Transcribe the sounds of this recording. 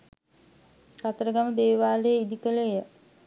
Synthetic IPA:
kat̪əɾəɡaməd̪eːʋaːlejəid̪ikəlejə

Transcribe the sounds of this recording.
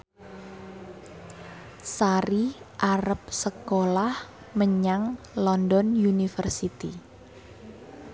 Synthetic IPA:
saɾiʔaɾəp̚səkolah | məɲaŋ | lɔndɔnjunifərsit̪i

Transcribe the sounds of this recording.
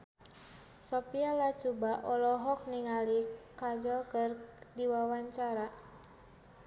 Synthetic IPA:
sɔpialat͡ʃubaʔɔlɔɦɔk̚niŋalikad͡ʒɔlkərdiwawaɲt͡ʃaɾa

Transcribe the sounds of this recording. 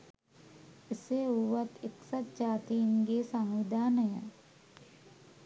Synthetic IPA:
eseuʋat̪eksat̪̚d͡ʒaːt̪iinɡeːsaŋʋid̪ʱaːnəjə̰

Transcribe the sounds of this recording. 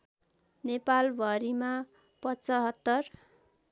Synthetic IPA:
nepalbʱʌɾima | pʌt͡sʌɦʌt̪ːʌr

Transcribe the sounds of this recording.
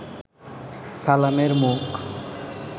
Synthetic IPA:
salameɾmuk

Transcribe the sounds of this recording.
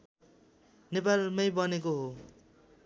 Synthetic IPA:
nepalmʌjbʌnekoɦo

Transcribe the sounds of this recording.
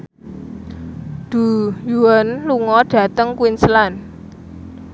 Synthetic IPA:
d̪̥ṳjuwanluŋɔɖ̥ä̤t̪əŋkwinslan

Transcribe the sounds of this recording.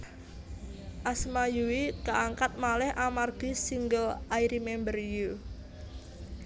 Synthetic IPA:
ʔasmajuwikaʔaŋkat̪̚malɛhʔamarɡ̥isiŋɡəlaiɾimembərju

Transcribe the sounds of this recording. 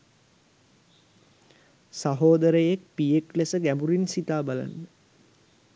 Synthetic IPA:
saɦoːd̪əɾəjek̚pijeklesəɡæmbuɾinsit̪aːbala̰ndə

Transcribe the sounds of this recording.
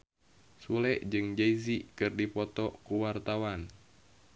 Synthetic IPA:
sulɛʔd͡ʒɨŋd͡ʒeizikɨrdipɔt̪ɔkuwart̪awan

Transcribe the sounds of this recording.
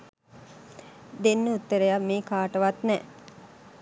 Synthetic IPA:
d̪enːəut̪ːəɾəjamːeːkaːʈəʋat̪nɛ

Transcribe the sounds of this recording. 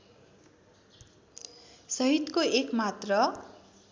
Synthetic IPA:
sʌɦit̪koekmat̪rʌ

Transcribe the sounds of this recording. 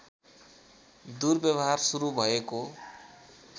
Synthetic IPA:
d̪urbjʌbʌɦarsuɾubʱʌeko

